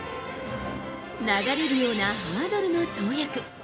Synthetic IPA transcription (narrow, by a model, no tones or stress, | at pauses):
naɡaɾe̞ɾɯ̟jo̞ːnaɦamad̪oɾɯno̞t͡ɕoɯjakɯ̟